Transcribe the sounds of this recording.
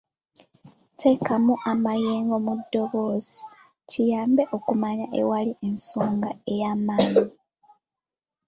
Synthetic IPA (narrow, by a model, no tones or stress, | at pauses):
te̞ːkamuʔamajeːŋɡo̞mudːo̞βo̞zi̥ | cijaːmbe̞ʔo̞kumaɲaʔḛwalie̞nsoːŋɡae̞jaːmaːɲi